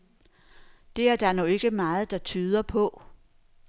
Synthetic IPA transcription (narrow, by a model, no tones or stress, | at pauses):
d̥e̝æɐd̥ɑ̈ɐnɔe̝ɡ̥əmɑ̈ːð̩ˠd̥ɑ̈t͡sʰyːð̞ˠɐpʰɔ̽